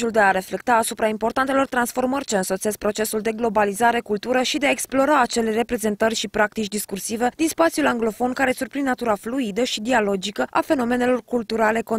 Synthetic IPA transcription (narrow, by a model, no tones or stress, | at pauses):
uld̪e̞aɾe̞fle̞k̚t̪aːsupɾaimpo̞rɾt̪ant̪e̞lo̞rt̪ɾansfo̞rmərʲt͡ʃeɨnso̞t̪se̞sk̚pɾo̞t͡ʃe̞suld̪e̞ɡlo̞balizaɾe̞kult̪uɾəʃid̪eaeksplo̞ɾaːt͡ʃe̞le̞re̞pɾe̞ze̞nt̪ərʲʃipɾak̚t̪it͡ʃd̪iskursive̞d̪inspat̪sijulaŋɡlo̞fo̞nkaɾe̞surpɾinnat̪uɾafluid̪əʃid̪ialo̞d͡ʒikəʔa̰fe̞no̞me̞ne̞lo̞rkult̪uɾale̞ko